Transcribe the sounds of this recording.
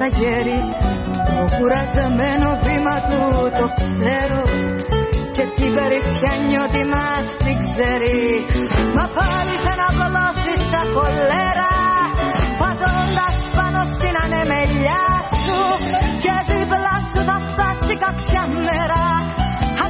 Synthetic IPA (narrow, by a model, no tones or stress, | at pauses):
t̪ɐʝeɾi | t̪okuɾɐzɐmenovimɐt̪ut̪okseɾo | cetipeɾisçɐɲːot̪imɐst̪ikzɛɾi | mɐpɐɾiθenɐvlosisɐkoleɾɐ | pɐt̪ond̪ɐspɐnost̪inɐnemeʎasuceðivlɐsuθɐft̪asikɐpçɐmːɛɾɐ